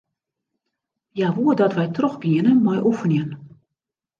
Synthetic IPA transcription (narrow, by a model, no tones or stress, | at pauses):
jaʋuədɔtʋɛjtrɔxɡiənəmɔjʔufənjiən